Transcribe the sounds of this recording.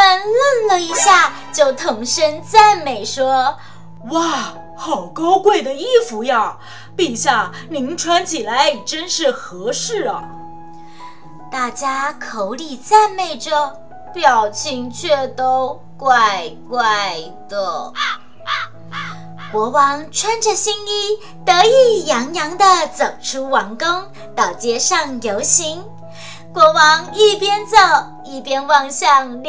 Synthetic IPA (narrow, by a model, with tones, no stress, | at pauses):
pa˥˧nlə˥˩nlə˨˩i˧˥ɕja˥˩ | t͡ɕjo˥˩ʊt̪ʰɤ˧˥ŋʂə˥nt͡sa˥˩ɪme˨˩ɪʂwɔ˥ | wa˥˩ | xɑ˨˩ʊkɑ˥ʊkwe˥˩ɪd̪ə˩i˥fu˧˥ja˧ | pi˥˧ŋɕja˥˩ | ni˧˥ŋʈ͡ʂʰwa˥nt͡ɕʰi˨˩la˧˥ɪ˨˩ʈ͡ʂə˥nʂɻ̩˥˩xɤ˧˥ʂɻ̩˥˩lə˩ | t̪a˥˩t͡ɕja˥kʰo˧˥ʊli˨˩t͡sa˥˧nme˥˩ɪʈ͡ʂə˨˩ | pjɑ˨˩ʊt͡ɕʰi˧˥ŋt͡ɕʰɥɛ˥˩t̪o˥ʊ | kwa˥˧ɪkwa˥˩ɪ | t̪wɔ˥˩ | kwɔ˧˥wɑ˧˥ŋʈ͡ʂʰwa˥nʈ͡ʂə˨ɕi˥ŋi˥ | t̪ɤ˧˥i˥˩jɑ˧˥ŋjɑ˧˥ŋd̪ə˧t͡so˨˩ʊʈ͡ʂʰu˧˥wɑ˧˥ŋkʊ˥ŋ | t̪ɑ˨˩ʊt͡ɕjɛ˧˥ʂɑ˥˩ŋjo˧˥ʊɕi˧˥ŋ | kwɔ˧˥wɑ˧˥ŋi˥˩pjɛ˥nt͡so˨˩ʊ | i˥˩pjɛ˥nwɑ˥˧ŋɕjɑ˥˧ŋl